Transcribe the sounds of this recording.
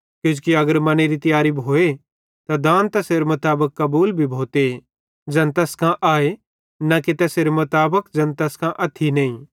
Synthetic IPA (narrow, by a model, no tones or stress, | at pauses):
kjod͡ʒukiɐɡəɾmɐneɾit̪ɐjaːɾibʱoːe | t̪ad̪ãːnt̪ɐseːɾemʊt̪aːbəkːɐbuːlbʱibʱoːt̪e | d͡ʒɐnt̪ɐskʰãʔaːe | nɐket̪ɛseɾemʊt̪aːbəkd͡ʒɐ̃nt̪ɐskʰãʔɐt̪ʰːinɐ̃ĩː